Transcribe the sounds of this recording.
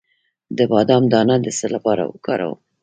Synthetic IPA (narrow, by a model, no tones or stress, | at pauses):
d̪əbɑd̪ɑmd̪ɑnad̪əsəlapɑɾa̰wəkɑɾa̰wu